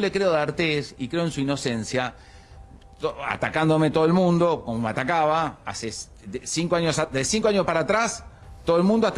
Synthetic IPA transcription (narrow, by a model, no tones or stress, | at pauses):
ole̞kɾeoðaɾt̪esikɾe̞oe̞nsuino̞sensja | oa̰t̪akand̪o̞met̪oðelmũnd̪o̞komomeat̪akaβaa̰se | esiŋkoaɲjosad̪esiŋkoaɲjospaɾat̪ɾas | t̪oðoelmũnd̪oat̪